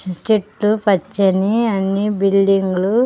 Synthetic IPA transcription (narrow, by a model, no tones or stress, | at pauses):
t͡ʃiʈːupɐt͡ʃːɐniɐnːibilɖiŋɡulu